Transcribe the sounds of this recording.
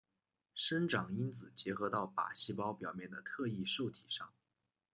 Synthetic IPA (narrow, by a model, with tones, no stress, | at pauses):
ʂə˥nʈ͡ʂɑ˨˩ŋi˥nt͡sɹ̩˨˩t͡ɕjɛ˧˥xɤ˧˥t̪ɑ˥˩ʊpa̰˨˩ɕi˥˩pɑ˥ʊpjɑ˨˩ʊmjɛ˥˩nd̪ə˩t̪ʰɤ˥˧i˥˧ʂo˥˩ʊt̪ʰi˨˩ʂɑ˥˩ŋ